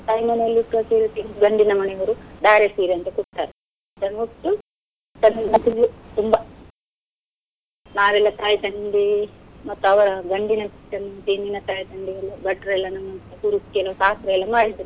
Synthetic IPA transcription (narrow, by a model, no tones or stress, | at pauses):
ʈ̪ɐːjimɐnɛɐlːiʈːuʋɐseːɾut̪ːend̪uɡɐɳɖinɐmɐnɛʋɐɾud̪aːɾeseːɾiɐnt̪ɐkuʈt̪ːa̰ːɾe | t̪ɐnuʈːu | t̪ɐnːiɐt̪ilːut̪umbɐ | naːʋɛlːɐt̪aːjit̪ɐɳɖimɐt̪ːuɐʋɐɾɐɡɐɳɖinɐsi̥ʈːɐnɐt̪ininɐt̪aːjt̪ɐɳɖijɐlːubɐʈːɐɾɛlːɐnɐmːɐnt̪ɐkuɾiskɛlɐsaːsɾɐɛlːɐmaːɽid̪iɾi